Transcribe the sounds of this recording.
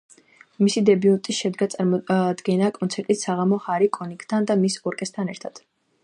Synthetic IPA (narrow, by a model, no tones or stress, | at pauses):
misid̪ɛbiunt̪ʼiʃɛd̪ɡat̪sʼaɾɔd̪ɡɛnakʼɔnsʰɛɾt̪ʼit̪saʁamɔhaɾikʼɔnikʼt̪ʰand̪amisɔɾkʼɛst̪ʰanɛɾt̪ʰad̪̥